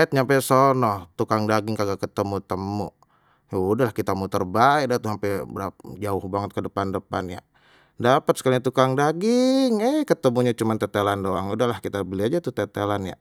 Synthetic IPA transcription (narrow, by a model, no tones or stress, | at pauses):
it̪̚ɲampɛsonɔht̪ukaŋdaɡɪŋkaɡakət̪əmut̪əmṵ | dahlahkit̪amut̪ərbaidat̪usampɛbəɾad͡ʒaʊhbaŋət̪̚kədəpandəpa̰nja̰ | dapət̪̚sə̥kalaɲat̪ukaŋdaɡɪŋəhkət̪əmuɲat͡ʃumant̪ɛt̪elandoaŋudaɦlahkit̪abəliad͡ʒat̪ut̪ɛt̪elanja̰